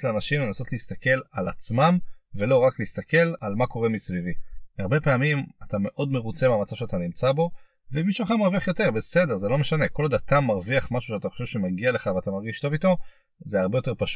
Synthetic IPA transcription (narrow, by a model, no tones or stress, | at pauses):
leanaʃimlenaso̞t̪liist̪ake̞lalat͡smamve̞lo̞ʁakliist̪ake̞lalmako̞ʁe̞misviviaʁbe̞peːmimatame̞ʔo̞dmeʁut͡semamat͡savʃeat̪animt͡sabo̞ | vemiʃuaχamaʁviaχjo̞te̞ʁbe̞se̞de̞ʁzelo̞meʃane̞ko̞lad̪at̪amːaʁviaχmaʃuʃat̪aχo̞ʃev̥ʃemaɡiale̞χaveat̪amaʁɡiʃt̪o̞vito̞ | zeaʁbejo̞t̪e̞ʁpaʃ